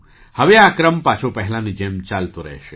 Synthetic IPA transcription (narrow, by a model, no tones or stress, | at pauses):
hɐʋeaːkɾəmpat͡ʃʰopɐɦlãnid͡ʒəmt͡ʃaːlt̪oɾɐ̰ɦʃe